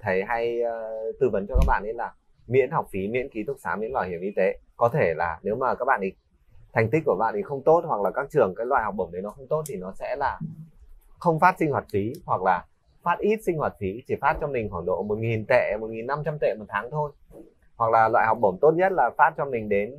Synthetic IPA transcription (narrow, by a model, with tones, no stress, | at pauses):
t̪ʰə˨˦jɦa˧jt̪ɨ˧və˨˦nt͡ɕɔ˧kaː˦˥k̚ɓa̰ː˧˨nʔi˨˦laː˨˩ | mḭ˧˥ənɦɔ˨˩wk͡p̚fi˨˦mḭ˧˥ənki˨˦t̪ʰʊ˦˥k̚saː˨˦mḭ˧˥nlwaː˧˩jhi˧˩əmʔi˧t̪e˨˦kɔ˨˦t̪ʰe˧˩laː˨˩ne˨˦wmaː˨˩kaː˦˥k̚ɓa̰ː˧˨ʔi˨˩ | t̪ʰɛ˨˩jŋi˦˥k̟̚ːku˧˩əɓa̰ː˧˨nt̪ʰi˨˩xə˧wŋ͡mt̪o˦˥t̚hwa˨˩k̚laː˨˩kaː˦˥k̚t͡ɕɨ˨˩əŋkaː˨˦jlwa̰ː˧˨jhɔ˨˩wk͡p̚ɓo˧˩mɗə˨˦jnɔ˨˦xə˧wŋ͡mt̪o˦˥t̚t̪ʰi˨˩nɔ˨˦sɛ̰˧˥laː˨˩ | xə˧wŋ͡mfaː˦˥t̚si˧ŋ̟hwaː˨˩t̚fi˨˦hwa˨˩k̚laː˨˩ | faː˦˥t̚ʔi˦˥t̚sï˧ŋ̟hwaː˨˩t̚fi˨˦t͡ɕʰi˧˩faː˦˥t̚t͡ɕɔ˧mï˨˩ŋ̟kwaː˧˩nɗo̰˧˨mo˨˩t̚ŋi˨˩nt̪ḛ˧˨mo˨˩t̚ŋi˨˩nːa˧mt͡ɕa˧mt̪ḛ˧˨mo˨˩t̚t̪ʰaː˨˦ŋt̪ʰo˧j | hwa˨˩k̚laː˨˩lwa̰ː˧˨jhɔ˨˩wk͡p̚ɓə˧˩mt̪o˦˥t̚ɲə˦˥t̚laː˨˩faː˦˥t̚t͡ɕɔ˧mï˨˩ŋ̟ɗe˨˦n